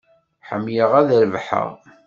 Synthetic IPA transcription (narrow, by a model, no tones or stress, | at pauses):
ħəmːjəʁæðɾvħə̰ʁ